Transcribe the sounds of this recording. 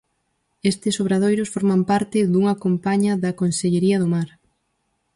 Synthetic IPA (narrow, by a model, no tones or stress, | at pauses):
est̪ɪsoβ̞ɾað̞ojɾʊsfoɾmampaɾt̪ɪðuŋɐkompaɲɐðɐkonseʎeɾiɐðʊmaɾ